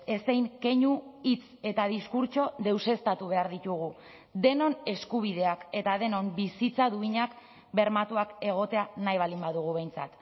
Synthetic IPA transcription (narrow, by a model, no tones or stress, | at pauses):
e̞sejŋke̞ɲuit͡se̞t̪að̞iskuɾt͡ʃo̞ðe̞wse̞st̪at̪uβ̞e̞aɾðit̪uɣ̞u | d̪e̞no̞ne̞skuβ̞iðe̞ake̞t̪aðe̞no̞mbisit͡saðuiɲak | be̞ɾmat̪uake̞ɣ̞o̞t̪e̞anajβ̞alimbaðuɣuβe̞jnt͡sat̪